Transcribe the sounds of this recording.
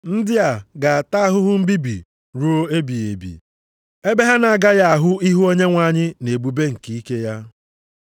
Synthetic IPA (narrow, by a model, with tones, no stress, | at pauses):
n̩˦dɪ˦a˨ɡa˨a˨ta˦a˦ɦʊ˦ɦʊ˦m̩˦bi˦bḭ˨ | ɾu˦o˦e˦bi˨e˨bḭ˨ | e˦be˦ɦa˦na˨a˨ɡa˦ja˦a˨ɦʊ˦i˦ɦu˦o˦ɲe˦ŋʷa˨ɲɪ˦ne˨bu˨be˦ŋ̩˨ki˨i˦ke˦ja˦